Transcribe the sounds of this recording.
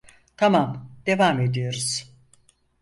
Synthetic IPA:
t̪ʰamamd̪e̞vame̞d̪ijo̞ɾuz̥

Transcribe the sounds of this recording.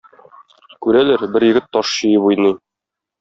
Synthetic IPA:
kʉɾælæɾbɘɾjɘ̆ɡɘt̪ːɒʃɕɤ̆jɤbujnɤ

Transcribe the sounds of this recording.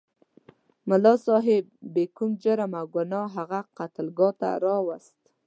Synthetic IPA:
malɑsɑɦebːekumd͡ʒaɾamaɡanɑɦaɣaqat̪əlɡɑt̪a̰ɾɑwast̪

